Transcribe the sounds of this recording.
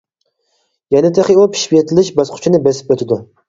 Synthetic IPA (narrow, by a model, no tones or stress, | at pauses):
jɛnɪt̪ʰeχʲiupʰi̥ʃpiet̪ʰɪlɪʃbɑsqʰʊ̥t͡ʃʰinɪbɛsɪ̥p̚øt̪ʰɪd̪u